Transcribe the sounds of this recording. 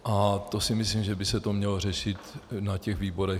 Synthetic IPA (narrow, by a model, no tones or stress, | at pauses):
ʔat̪o̞sɪmɪslimʒɛbɪsɛt̪o̞mɲɛlo̞rɛʃɪt̪nacɛɣviːbo̞ɾɛ